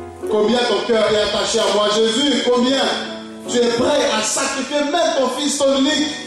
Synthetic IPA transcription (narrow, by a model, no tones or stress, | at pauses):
kɔ̃bjɛ̃t̪ɔ̃kœʁdɛat̪aʃeamwaʒezykɔ̃bjɛ̃ | t̪yɛpʁɛasakʁifjemɛ̃mt̪ɔ̃fist̪ɔ̃minik